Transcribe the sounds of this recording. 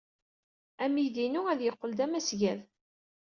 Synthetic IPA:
æmiðinuæðjəqːəld̪æmæsʝæð

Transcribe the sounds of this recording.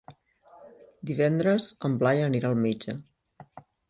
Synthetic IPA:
d̪iβ̞ɛnd̪ɾəzəmblajəniɾaːlˠmed͡ʒə

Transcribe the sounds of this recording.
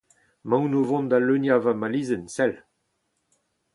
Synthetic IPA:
mãwnovɔ̃nd̪alønjavamaliːzənsɛl

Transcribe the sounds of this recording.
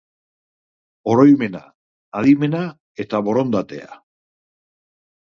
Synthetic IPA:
o̞ɾo̞jme̞na̰ː | ðime̞na | e̞t̪aβo̞ɾo̞nd̪at̪e̞̰a̰

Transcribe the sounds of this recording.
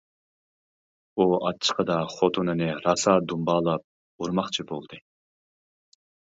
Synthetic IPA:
uɑ̰t͡ʃʰːə̥qʰəd̪ɑχot̪ʰunɨnɨɾɑsɑːd̪umbɑːlˠɑp̚ | uɾmɑχt͡ʃʰibo̰lˠd̪ɨ

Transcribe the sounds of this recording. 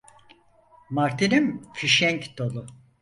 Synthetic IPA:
maɾt̪ʰinimfiʃɛɲcd̪̥o̞lˠʊ

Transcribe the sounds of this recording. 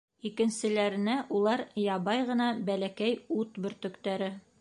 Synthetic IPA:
ikɘ̆nsɘ̆læɾɘ̆næʔulˠɑɾjɑbɑjʁɤ̆nɑbælækæjut̪bɵ̆ɾt̪ɵ̆kt̪æɾɘ

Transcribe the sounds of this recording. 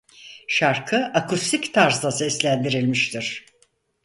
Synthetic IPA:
ʃaɾkʰɯʔakʰust̪ʰikt̪ʰaɾzlˠasɛslʲænd̪iɾilʲmiʃt̪ʰiɾ̥

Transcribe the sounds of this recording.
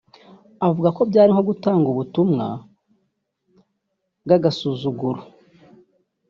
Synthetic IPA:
avuɡako̞bɟaːɾiŋho̞ɡutaːŋɡuβutumŋa̰ | ɡaɡasuːzuɡuɾo

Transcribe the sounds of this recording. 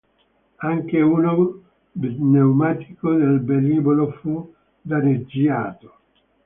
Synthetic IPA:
aŋkeuːno | bnewmaːt̪i̥kod̪elbeliːbolofu | d̪aɾed͡ʒiaːt̪o̥

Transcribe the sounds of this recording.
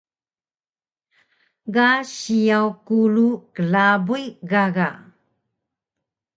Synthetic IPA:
ɡaɕijawkuɭukəlabujɡaɣa

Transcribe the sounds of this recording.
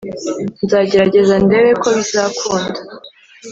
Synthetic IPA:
nzaːɟe̞ɾaɟe̞zande̞βe̞kʰo̞βizakuːndḁ

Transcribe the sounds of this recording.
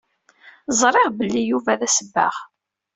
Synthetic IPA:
zˤɾˤeʁbəlːijuvæðæsəbːa̰ʁ

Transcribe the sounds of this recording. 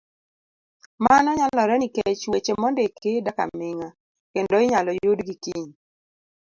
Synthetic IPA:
manɔɲalɔɾɛniket͡ʃwet͡ʃemɔndekedaka̰mɪŋa | kendoɪɲalɔjudɡikiɲ

